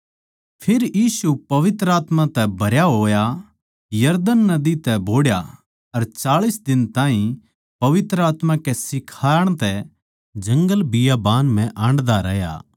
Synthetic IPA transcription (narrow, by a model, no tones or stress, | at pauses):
pʰeɾjiːsupɐʋɪt̪ɾəaːt̪mãt̪ɛbʱɐɾjaɦoːja | jɐɾd̪ənːɐd̪it̪ɛbʱoːɽja | ɐɾt͡ʃaːɭisd̪ɪnt̪ãːɦĩ | pɐʋɪt̪ɾəaːt̪mãkɛsɪkʰaːəɽ̃t̪ɛ | d͡ʒɐ̃ŋɡəlbɪjabaːnm̤ɛ̃ʔãːɳɖd̪aɾɛja̰ː